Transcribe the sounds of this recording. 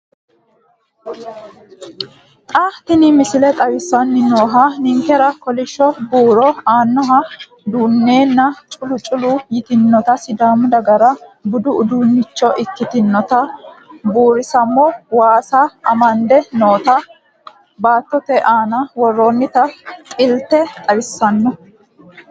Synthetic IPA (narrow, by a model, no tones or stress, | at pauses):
t̪ʼaːft̪ɪnɪmɪsɪlɛt̪ʼɐwɪsːɐnːɪno̞ːɦɐnɪŋkɛɾɐkɔlɪʃːɔbuːɾɔaːnːɔɦɐ | d̪uːnːeːnːɐt͡ʃʼʊlʊt͡ʃʼʊlʊjɪt̪ɪnːɔt̪ɐsɪd̪aːmʊd̪ɐɡɐɾɐbʊd̪ʊʊd̪uːnːɪt͡ʃːɔʔɪkːɪt̪ɪnːɔt̪ɐbuːɾɪsɐmːɔwaːsaɐmɐnd̪ɛno̞ːt̪ɐ | baːt̪ːɔt̪ɛʔaːnɐwɔrːoːnːɪt̪ɐtʼɪlt̪ːɛt̪ʼɐwɪsːɐnːɔ